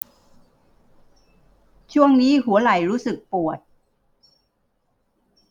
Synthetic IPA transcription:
t͡ɕʰu˥˩əŋniː˦˥ɦu˩˦ɐla˨˩jɾuː˦˥sɯ˨˩k̚pu˨˩ət̪̚

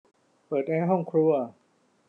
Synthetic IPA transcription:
pɤː˨˩t̪̚ʔɛː˧˥ɦɔ˥˩ŋkʰɾu˧ɐ

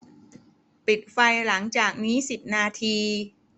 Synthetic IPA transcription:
pi˨˩t̪̚fa˧jla˩˦ŋt͡ɕaː˨˩k̚niː˦˥si˨˩p̚naː˧t̪ʰiː˧

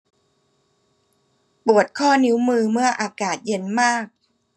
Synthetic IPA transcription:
pu˨˩ət̪̚kʰɔː˥˩ni˦˥wmɯː˧mɯ˥˩ɐʔaː˧kaː˨˩t̪̚je˧˥nmaː˥˩k̚

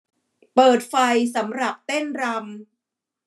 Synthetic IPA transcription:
pɤː˨˩t̪̚fa˧jsa˩˦mɾa˨˩p̚t̪e˥˩nɾa˧m

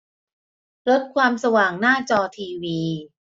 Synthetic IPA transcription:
ɾo˦˥t̪̚kʰwaː˧msa˧waː˨˩ŋnaː˥˩t͡ɕɔː˧t̪ʰiː˧wiː˧

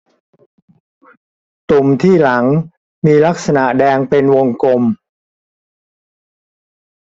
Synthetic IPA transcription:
t̪u˨˧˩mt̪ʰiː˥˩la˩˦ŋ | miː˧la˦˥k̚sa˧na˨˩ʔdɛː˧ŋpe˧nwo˧ŋko˧m

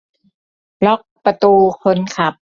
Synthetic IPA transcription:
lɔ˦˥k̚pa˧t̪uː˧kʰo˧nkʰa˦˥˩p̚

